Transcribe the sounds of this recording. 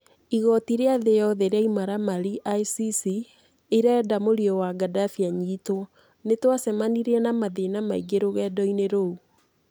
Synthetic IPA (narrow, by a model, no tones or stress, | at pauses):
iɣɔtiɾeaðejɔðeɾaimaɾamaɾiʔajsisi | eɾɛːdamoɾiɔwaɡadafiaɲitwɔ | netwasɛmaniɾɛnamaðenamaiɡeɾoɣɛdɔineɾou